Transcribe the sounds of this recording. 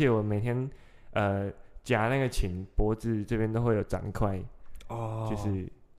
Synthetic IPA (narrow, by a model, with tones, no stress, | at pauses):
jɛ˨˦wɔ˨˩me˨˩ɪt̪ʰjɛ˥n | ə˧t͡ɕja˨˩˦na˥˩ɡə˨˩t͡ɕʰi˨˩npwɔ˧˥t͡sɹ̩˥˧ʈ͡ʂɤ˥˧˩pjɛ˥nt̪o˥ʊxwe˥˩ɪjo˨˩ʊʈ͡ʂa̰˨˩˦nkʰwa˥˩ɪɔ˧jo˥˧ʊʂɻ̩˥˧